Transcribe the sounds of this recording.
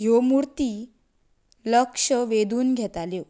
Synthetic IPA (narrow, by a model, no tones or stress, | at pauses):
ɦjomuɾt̪iː | ləkʂəʋed̪ʱuːnɡʱɛt̪aljo